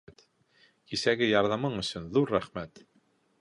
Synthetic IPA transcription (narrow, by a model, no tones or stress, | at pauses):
t̪ | kisæɡɘjɑɾðɑmɤɴɵ̆sɵnðuɾːæχmæt̪